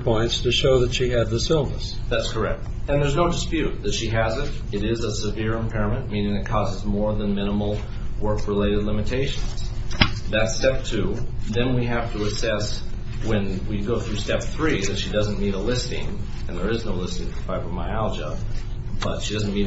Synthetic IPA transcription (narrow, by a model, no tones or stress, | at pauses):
pʰɔ̃ɪ̃ntstʰɨʃoʊðɨtʃiɨzðɪsɪlˠnə̰s | ðætskʰə˞ɛ̰k̚t̚ | ɨ̃nðə˞znoʊdɨspjʉt̪̚ðɨtʃiɨzɨɾ | ɨɾɪzəsɨvɪɹɨ̃mpʰɛɹɨmɨ̃nmĩnɪ̃ŋɨt̚kʰɔzəzmɔɹðə̃nmɪ̃ñəml̩ˠ | wɜ˞kɹɪleɪɾɨdˡlɪ̃mɨtʰeɪʃɨ̃nz̥ðɨtstɛp̚tʰʉðɨ̃nwiɦæftəəsɛs | wɨ̃nwiɡoʊθɹʉstɛp̚θɹiðɨtʃidʌzɨ̃n̩miɾəlɪstɪ̰̃ŋ | ɨ̃nðə˞ɨznoʊlɪstɪ̃ŋəfaɪfə̃maɪælˠd͡ʒə | b̥ʌ̰tʃidʌznmi